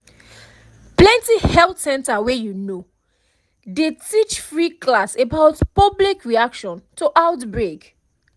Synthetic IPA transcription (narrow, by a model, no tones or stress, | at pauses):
plɛ̃ntihɛltsɛ̃ntawɛjuno | detit͡ʃfɹiklasebaʊtpʌblikɹiakʃɔ̃ntʰuʔaʊtbɹek